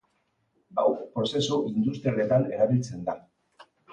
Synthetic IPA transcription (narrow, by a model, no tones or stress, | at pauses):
ba̰wpɾo̞se̞suʔind̪us̬t̪ɾiale̞t̪ane̞ɾaβilt͡se̞nd̪a